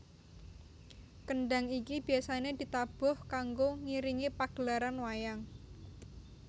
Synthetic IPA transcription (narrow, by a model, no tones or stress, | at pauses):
kəɳɖaŋikib̥i̤asaned̪̥i̤t̪ab̥ɔhkaŋɡoŋiɾiŋipaɡ̥əlaɾanwajaŋ